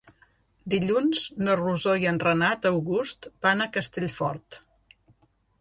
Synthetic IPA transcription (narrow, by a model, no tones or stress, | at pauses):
d̪iʎunz̥noruzoiənrənat̪əwɣust̪banəkəst̪eʎfɔ̰ɾt̪